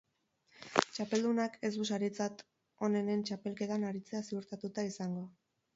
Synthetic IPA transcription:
t͡ʃape̞ld̪unake̞zd̪usaɾit͡sat̪ | o̞ne̞ne̞nt͡ʃape̞lke̞t̪anaɾit͡se̞asiuɾt̪at̪ut̪aisaŋɡo̞

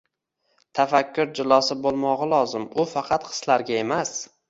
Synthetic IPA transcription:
t̪ʰafakʲːʊɾd͡ʒɪlˠɒsɪbolˠmɒʁɑlˠɒzɪmʊfɑqʰɑt̪qʰɨ̥slaɾɡʲae̞mas

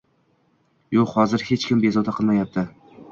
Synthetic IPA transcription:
joqhɒzɪɾhe̞t͡ʃkʲʰɪmbezɒd̪aqʰɨlˠmajap̚t̪ʰɪ

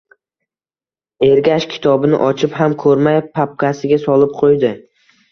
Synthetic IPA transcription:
eɾɡʲaʃkʲʰɪ̥t̪ʰɒbɪnɪ̰ʔɒt͡ʃʰɪphamkʰɵɾmajpʰap̚kʲasɪɡʲasɒlˠɪp̚qʰojd̪ɪ

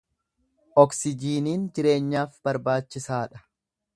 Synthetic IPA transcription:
ʔɔksɪd͡ʒiːniːnd͡ʒɪɾe̞ːɲːaːfb̥ɐɾbaːt͡ʃːɪsaːᶑɐ̥

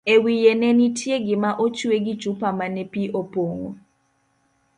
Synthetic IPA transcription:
ewijɛnɛnitʰjeɡɪmaʔot͡ʃweɡi̥d͡ʒ̥ʱupamanɛpiʔopoːŋo̰

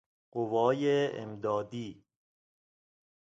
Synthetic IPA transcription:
ɢovɒːjeḛmd̪ɒːd̪iː

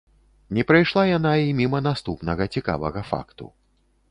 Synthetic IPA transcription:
nʲɛpɾajʂlˠajanaimʲimɐnast̪upnɐɣɐt͡sʲika̰vɐɣɐfa̰kt̪ṵ

